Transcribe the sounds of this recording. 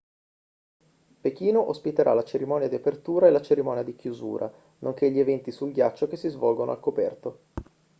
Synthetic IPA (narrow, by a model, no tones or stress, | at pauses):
pek̟iːnoʔospit̪eɾʔa̰lat͡ʃeɾimɔːnjad̪iapert̪uːɾaelat͡ʃeɾimɔːnjad̪ik̟juzṵːɾʔa̰ | noŋk̟eʎːievɛnt̪isulɡjat͡ʃːokesːizvɔlɡono̰alkopɛ̰rt̪o